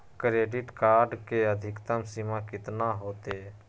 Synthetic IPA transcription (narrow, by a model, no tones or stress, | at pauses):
kɾeːɖɪʈkaːɾɖkeəd̪ʱɪkt̪əmsimakɪt̪naɦoːt̪e